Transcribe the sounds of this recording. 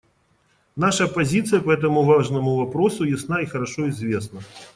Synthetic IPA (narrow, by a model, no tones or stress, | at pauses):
naʂɐpazʲit̪sɨjɐpɐɛt̪̬ɐmuvaʐnɐmʊvapɾɔsujasnaixɐɾaʂɔizʲvʲesnɐ